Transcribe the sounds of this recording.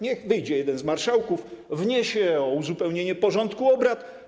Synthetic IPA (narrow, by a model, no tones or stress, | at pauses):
ɲɛxvɘjd͡ʑɛjɛd̪ɛnzmaɾʂawkufvɲeɕɛɔuzupɛwɲeɲɛpɔʐɔnt̪kuɔbɾat̪